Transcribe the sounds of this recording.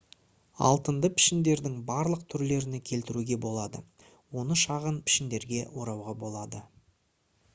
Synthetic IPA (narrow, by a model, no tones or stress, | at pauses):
ɑ̰lˠt̪ənd̪əpʰɪ̥ʃɪnd̪e̞ɾd̪ɪŋbɑɾlˠəq̚t̪ʰʏɾle̞ɾɪne̞kʲʰe̞lt̪ɪɾuɡʲe̞bo̞lˠɑd̪ə̰ | wo̞nəʃɑʁənpʰɪ̥ʃɪnd̪e̞ɾɡʲe̞wo̞ɾɑwʁɑbo̞lˠɑd̪ə